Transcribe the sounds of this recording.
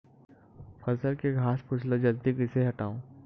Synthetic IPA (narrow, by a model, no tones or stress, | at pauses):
fɐzəɾkeɡʱaːspʊt͡ʃʰlod͡ʒɐld̪ikɪseɦɐʈaːõː